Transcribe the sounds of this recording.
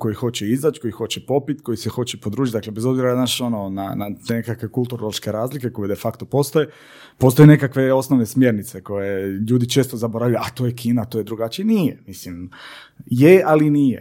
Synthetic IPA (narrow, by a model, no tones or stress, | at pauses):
ko̞jixo̞t͡ɕeizat͡ʃko̞ixo̞t͡ɕepo̞pit̪ko̞jisexo̞t͡ɕepod̪ɾuːʒit̪d̪aklebe̞zo̞bziɾaad̪anaʃo̞nona̰nat̪enekakʋe̞kulˠt̪uɾloʃke̞ɾaːzlike̞ko̞jed̪e̞fakt̪opo̞st̪o̞je | po̞ːst̪ojene̞kakʋe̞o̞snoʋnesmje̞ɾnit̪se̞ko̞je̞ʎuːd̪it͡ʃe̞ːst̪o̞zaboɾaʋjajuʔat̪o̞ːjekʰiːnat̪ojed̪ɾuɡat͡ʃienijemislim | jeʔalinijḛ